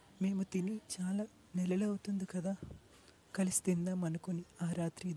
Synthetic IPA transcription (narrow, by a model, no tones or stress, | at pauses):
meːmut̪init͡ʃaːlaː | nɛlɐlɐwut̪und̪ukɐd̪aː | kɐlisi̥t̪ind̪aːmɐnukoniaːɾaːt̪ɾid̪